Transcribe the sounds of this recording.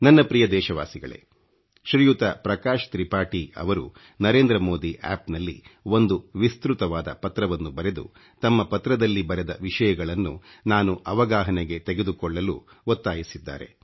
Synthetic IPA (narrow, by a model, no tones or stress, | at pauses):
nɐnːɐpɾijɐd̪ɛːʃɐʋaːsiɡɐ̰ɭḛ | ʃɾijut̪ɐpɾɐkaːʃt̪ɾipaːʈiɐ̰ʋɐɾṵ | nɐɾe̞ːnd̪ɾɐmo̞ːd̪iʔɛ̰ːpnɐlːḭo̞nd̪uʋist̪ɾut̪ɐʋaːd̪ɐ̰pɐt̪ɾɐʋɐnːubɐɾe̞d̪ṵ | t̪ɐmːɐpɐt̪ɾɐd̪ɐlːibɐɾed̪ɐ̰ʋiʂɐjɐɡɐɭɐnːunaːnuʔɐʋɐɡaːɦɐneɡe̞t̪eɡe̞d̪ukɔɭːɐlṵ | ot̪ːaːjisid̪ːa̰ːɾe̞̰